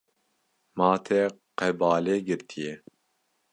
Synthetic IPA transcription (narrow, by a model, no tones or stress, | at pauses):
mɑːt̪ʰeqɛbɑːleːɡɨɾt̪ʰije